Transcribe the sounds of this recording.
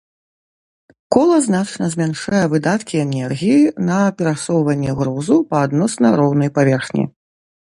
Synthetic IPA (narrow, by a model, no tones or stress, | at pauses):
kɔlˠɐznat͡ʂnɐzʲmʲanʂajɛvɨd̪at̪kʲiɛnɛrɣʲijinɐpʲɛɾasɔwvɐnʲːɛɣɾɔzupɐːd̪nɔsnɐɾɔwnɐjpavʲɛrxnʲḭ